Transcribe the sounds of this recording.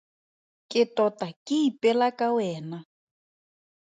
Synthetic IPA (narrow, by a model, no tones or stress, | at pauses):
kʼɪtʼɔtʼakʼɪipʼɛlakʼawɛːna